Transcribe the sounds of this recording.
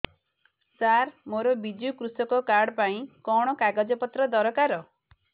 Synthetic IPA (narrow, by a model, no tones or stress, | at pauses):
saɾmoɾɔbid͡ʒukɾusɔkɔkaɾɽɔpaĩkɔɽ̃ɔkaɡad͡ʒɔpɔt̪ɾɔd̪ɔɾɔkaɾɔ